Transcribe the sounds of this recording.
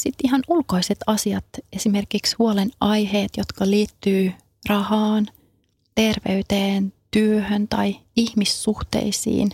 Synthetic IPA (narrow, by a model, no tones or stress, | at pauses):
sit̪iɦɑnulko̞iset̪ɑsiɑt̪esime̞rkikshuolenɑjɦeːt̪jot̪kɑliːt̪ːyː | rɑhɑːn | t̪e̞rʋeyt̪eːnt̪yøhønt̪ɑjihmisːuht̪ḛisḭːn